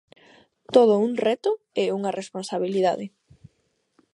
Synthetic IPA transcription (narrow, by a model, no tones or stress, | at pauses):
t̪oð̞ʊuŋrɛt̪ʊ | ɛuŋɐrʔesponsaβiliða̰ðɪ